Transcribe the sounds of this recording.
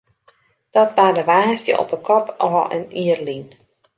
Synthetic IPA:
d̥ɔt̚badəʋaːsjə̰ʔɔ̰pəkʰɔpɔfʔə̰niərlin

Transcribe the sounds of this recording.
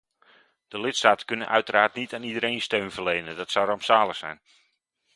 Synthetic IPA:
d̥əlɪtstaːtə̥kɵnənʔœɥtəɾaːrtnitaːnidəɾejnstøɥnvərlejnədɔtsawrɑmpsaːləxsɛ̰jn

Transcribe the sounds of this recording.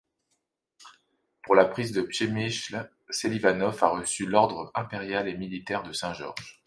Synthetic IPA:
puʁlapχizd̪əpʃemiʃl | selivanɔfaʁəsylɔʁd̪ʁəɛ̃peʁjalemilit̪ɛʁd̪əsɛ̃ʒɔ̰ʁʒ̥

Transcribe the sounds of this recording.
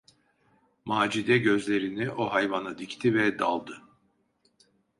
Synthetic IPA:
maːd͡ʒid̪ɛɟø̞zlʲe̞ɾiniʔo̞ɦajvanad̪ict̪ʰivɛd̪alˠd̪ɯ

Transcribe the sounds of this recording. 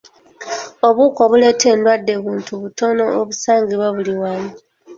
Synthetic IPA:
o̞βuːko̞βule̞ːtʰe̞ːndwadːe̞βuːntʰuβuto̞no̞oβusaːŋɡiβaβuliwaːmi

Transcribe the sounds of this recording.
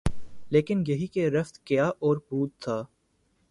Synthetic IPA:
leːkɪnjɐɦikeɾɐft̪kɪjaːʔɔːɾbuːt̪ʰːaː

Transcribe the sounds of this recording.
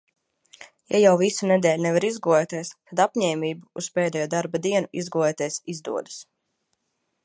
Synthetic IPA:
jajawvisunɛd̪ɛːlʲnɛvaɾizɡuɛt̪iɛst̪ad̪apɲɛːmiːbuuspɛːd̪ɛːjuːd̪aɾbad̪iɛnuʔizɡulɛt̪iɛsizd̪ṵɔd̪ḁs

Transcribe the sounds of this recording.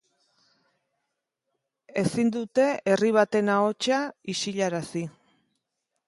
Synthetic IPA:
e̞sind̪ut̪e̞eriβ̞at̪e̞nao̞t͡ʃaiʃiʎaɾasi

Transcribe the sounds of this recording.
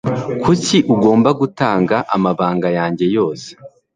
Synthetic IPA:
kʰuciʔuɡo̞ːmbaɡutaːŋɡaʔamaβaːŋɡajaːɲɟe̞jo̞ːse̥

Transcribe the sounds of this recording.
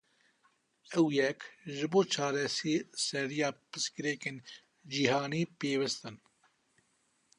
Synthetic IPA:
ɐwjeːkʒibot͡ʃʰaːɾesiːseɾijaːpəskiɾeːkin | d͡ʑiɦaːniːpeːwɐst̪ɐn

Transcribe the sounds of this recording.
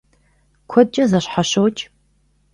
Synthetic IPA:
kʷʰɔd̚t͡ʃʼɐzɐɕħaɕowt͡ʃʼ

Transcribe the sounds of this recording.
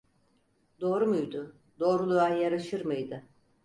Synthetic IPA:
d̪o̞ːɾumujd̪ʊ | d̪o̞ːɾulˠuajjaɾaʃɯɾmɯjd̪ɯ

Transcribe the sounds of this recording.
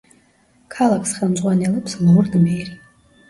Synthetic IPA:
kʰalˠakʰsχɛlˠmzʼʁwanɛlɛpʰslˠɔrd̪əmɛɾi

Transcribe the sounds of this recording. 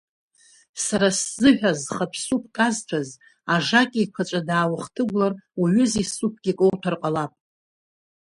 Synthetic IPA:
saɾaszɨħᶣazχapʰsupʰkʼaztʷʰaz | aʐakʲʼiikʷʰat͡ʃʷʼadaːwaχtʰɨɡʷlaraɥʏzisupʰɡ̥ʲikʼowtʰarqʼalapʼ

